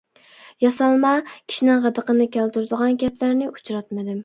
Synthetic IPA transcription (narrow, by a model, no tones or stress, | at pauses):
jɑsɑlˠmɑkʲʰi̥ʃinɪŋʁæd̪əqənɪkʲʰælt̪uɾɪd̪əʁɑnɡʲɛplæɾnɪʔu̥t͡ʃɾɑt̪mɪd̪ɪm